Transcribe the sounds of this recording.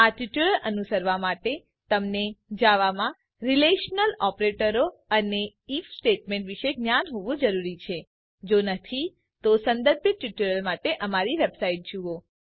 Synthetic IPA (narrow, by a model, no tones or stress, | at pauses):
aʈjuʈuləlʔənusəɾʋamaʈe | t̪əmned͡ʒaʋamã | ɾileʃnəlɔpɾeʈəɾoəneifsʈeʈmẽɳʈʋiʃeɡnjanɦoʋũd͡ʒəɾuɾit͡ʃʰe | d͡ʒonət̪ʰi | t̪osə̃nd̪əɾbiʈːuʈuɭəlmaʈeʔəmaɾiʋebsaiʈ̚d͡ʒuo